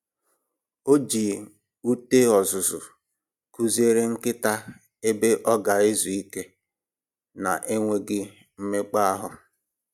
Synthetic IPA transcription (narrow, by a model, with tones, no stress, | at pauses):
o˦d͡ʒi˨ | u˦te˦ɔ˨zʊ˨zʊ˨ | ku˦ze˦ɾe˦ŋ̩˦kɪ˦ta˦ | e˦be˦ʔɔ˦ɡa˨e˦zu˨i˦ke˦ | na˨ʔe˦ŋʷe˦ɡɪ˦ | m̩˦me˦k͡pa˦a˦ɦʊ˨